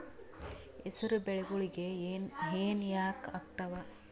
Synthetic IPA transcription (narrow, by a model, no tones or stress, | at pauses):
esɐɾubeɭeɡuɭiɡeɦeːnjaːkɐkt̪ɐʋɐ